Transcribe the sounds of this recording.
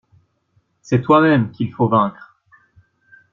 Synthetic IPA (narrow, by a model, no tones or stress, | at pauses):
sɛt̪wamɛmkʲilfovɛ̃kχ